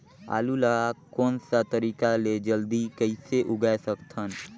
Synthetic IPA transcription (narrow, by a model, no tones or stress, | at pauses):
a̰ːlulaakɔːnsat̪əɾiːkaled͡ʒəld̪ikəɪseʔʊɡasəkt̪ʰən